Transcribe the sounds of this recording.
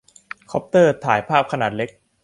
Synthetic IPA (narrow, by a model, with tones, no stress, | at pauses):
kʰɔ˦˥p̚t̪ɤː˥˩t̪ʰaː˩˦jpʰaː˥˩p̚kʰa˧naː˨˩t̪̚le˦˥k̚